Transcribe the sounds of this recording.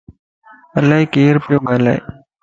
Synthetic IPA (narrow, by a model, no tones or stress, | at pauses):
əlːaːɦiːkeːɾpɪjoːɡaːla̰ːḛː